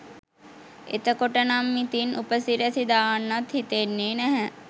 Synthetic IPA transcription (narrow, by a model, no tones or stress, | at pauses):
ḛt̪ɐkoʈɐnamːit̪inupəsiɾɐsid̪aːnːɐt̪ɦit̪enːenɛɦɛ